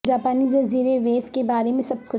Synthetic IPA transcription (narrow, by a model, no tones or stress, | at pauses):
d͡ʒaːpaːnizɐziːɾeʋeːfkebaːɾemẽsɐb̚kʊ